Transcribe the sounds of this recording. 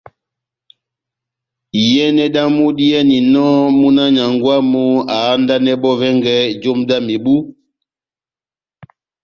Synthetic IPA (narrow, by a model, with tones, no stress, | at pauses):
jɛ˦nɛ˦ɗa˦mu˦di˦ɛ˦ni˨nɔ˦mu˦na˦ɲa˨ŋɡwa˦mu˦a˨˦nda˦nɛ˦ɓɔ˦vɛ˦ŋɡɛ˦d͡ʒo˦mda˦mi˨bu˦